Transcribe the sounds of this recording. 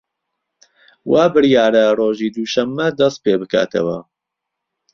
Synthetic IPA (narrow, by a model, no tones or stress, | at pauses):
waːbɨɾjaːɾɐroːʒiːd̪uʃɐmːɐd̪ɐst̪̚peːbɨkʰa̰ːt̪ʰɐ̰wɐ̰